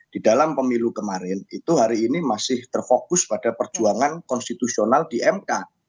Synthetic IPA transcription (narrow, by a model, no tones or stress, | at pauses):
d̥idalampəmilukəmaɾɪnit̪uɦaɾiːnimasɪht̪ərfokʊspad̥apərd͡ʒuaŋankɔnst̪it̪usionaldiʔɛmka